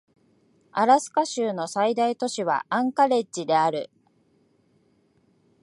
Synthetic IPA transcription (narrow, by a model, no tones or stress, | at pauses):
aɾasɨ̥kaɕɨːno̞said̪ait̪o̞ɕiβa̰ʔãŋkaɾe̞t͡ɕid̪e̞aɾɯ̟